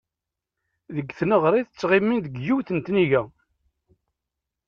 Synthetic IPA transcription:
ðəɡθnəʁɾˤiθət͡sːʁimːinðəɡjuwθənt̪niʝæ

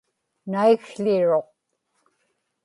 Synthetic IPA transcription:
naiɣɬɪɻo̞q̚

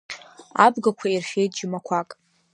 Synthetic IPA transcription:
a̰bɡakʷʰairʃʲe̞jtʼd͡ʒɪmakʷʰakʼ

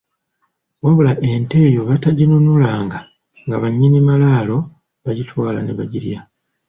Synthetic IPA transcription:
waβulaʔe̞nte̞ːjo̞βataɟinunulaːŋɡa | ŋɡaβaɲːinimalaːlo̞ | βaɟitwaːla̰neβaɟiɾja

